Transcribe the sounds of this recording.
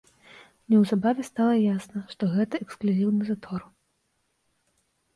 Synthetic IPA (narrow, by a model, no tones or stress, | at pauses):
nʲɛwzabavʲɛst̪alˠɐjasnɐʂt̪ɔɣɛt̪ɐɛksklʲuzʲiwnɨzat̪ɔr